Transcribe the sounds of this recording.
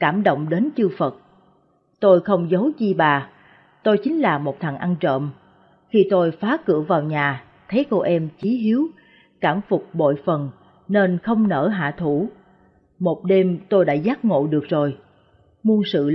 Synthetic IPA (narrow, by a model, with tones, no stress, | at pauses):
kaː˧˩mɗo̰˧˨wŋ͡mɗe˨˦nt͡ɕɨ˧fə˨˩t̚ | t̪o˧jxə˧wŋ͡mzə˨˦wt͡ɕi˧ɓaː˨˩ | t̪o˧jt͡ɕï˨˦ŋ̟laː˨˩mo˨˩t̚t̪ʰa˨˩ŋʔa˧nt͡ɕə̰ː˧˨m | xi˧t̪o˧jfaː˨˦kɨ˧˩əvaː˨˩wɲaː˨˩ | t̪ʰe˨˦ko˧ʔɛ˧mt͡ɕi˨˦hi˨˦əw | kaː˧˩mfʊ˨˩k͡p̚ɓo̰˧˨jfə˨˩n | ne˧nxə˧wŋ͡mnəː˧˩ɦa̰ː˧˨t̪ʰu˧˩ | mo˨˩t̚ɗe˧mt̪o˧jɗa̰ː˧˥zaː˦˥t̚ŋo̰˧˨ɗɨ˨˩ək̚zo˨˩j | mu˧ənsɨ̰˧˨